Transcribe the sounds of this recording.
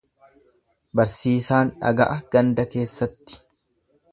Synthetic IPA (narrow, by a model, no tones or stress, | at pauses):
bɐɾsiːsaːnᶑɐ̰ɡɐʔɐɡ̥ɐnd̪ɐke̞ːsːɐt̪ːɪ̥